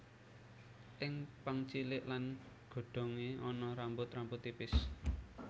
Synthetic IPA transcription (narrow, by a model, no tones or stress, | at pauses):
ʔɪŋpəŋt͡ʃilɪʔlan | ɡ̥o̤ɖ̥o̤ŋeɔnɔɾambʊt̪rambʊt̪ːipɪs